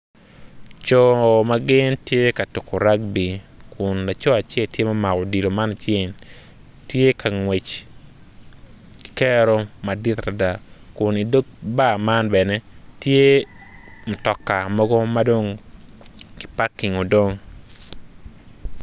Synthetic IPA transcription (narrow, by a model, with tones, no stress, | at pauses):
t͡ʃɔ˦maɡɪ˦ntje˦ka˨tu˨kʰo˨ɾa˦ɡ̚bi˨kʰʊ˨nla˨t͡ʃɔ˦a˨t͡ʃɛ˦ltje˦ma˦ma˨kɔ˨di˨lo˨ma˦na˨t͡ʃje˦n | tje˦kʰa˨ŋwe˨t͡ʃ | ki̥kɛ˦ɾo˦ma˨di˦t̪ɾa˨da˨kʊ˨ni˨do˦k̚ba˦˨ma˦nbɛ˨nɛ˦tje˦ | mɔ˨tɔ˨kːa˨mɔ˦ɡɔ˦mado˦ŋ | kɪ̥˦pa˦kːi˨ŋo˨do˦ŋ